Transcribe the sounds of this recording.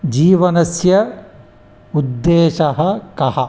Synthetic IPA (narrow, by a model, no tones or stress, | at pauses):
d͡ʒiːʋɐnɐsjɐ | ud̪ːeːʃɐɦɐ̆kɐɦɐ